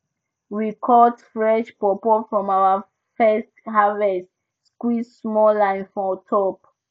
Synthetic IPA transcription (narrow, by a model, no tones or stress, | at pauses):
wikʰɔtfɹɛʃpɔpɔfɹɔ̃mawə | fɛstɦavɛst | skwissmɔlãɪ̃nfɹɔ̃tʰɔp̚